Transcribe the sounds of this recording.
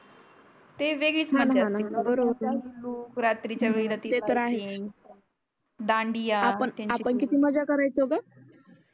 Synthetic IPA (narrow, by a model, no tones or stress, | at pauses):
t̪eʋeɡɭiːt͡sɦãnaɦãnaɦanabəɾobəɾlokɾat̪ɾit͡ɕjaʋeɡd̪at̪it̪et̪əɾaɦe | d̪ãɳɖijaapəɳt̪ãapəɳkit̪iːməd͡ʑakəɾajt͡sɦoɡa